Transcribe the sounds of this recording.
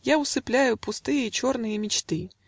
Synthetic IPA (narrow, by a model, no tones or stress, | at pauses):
jaʊsɨplʲæjʊpʊst̪ɨjəit͡ɕornɨjəmʲɪt͡ɕt̪ɨ